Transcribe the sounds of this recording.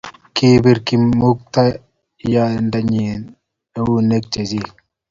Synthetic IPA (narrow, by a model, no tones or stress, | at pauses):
kibiɾkimuk̚t̪a | jandaɲin | eunek̚t͡ʃezi